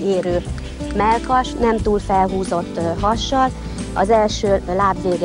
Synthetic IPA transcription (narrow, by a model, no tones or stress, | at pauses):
eːɾøː | mɛlkɒʃnɛmt̪uːlfɛlɦuːzo̞t̪ːɦɒʃːɒl | ɒ̰zɛlʃøːlaːbveːɡ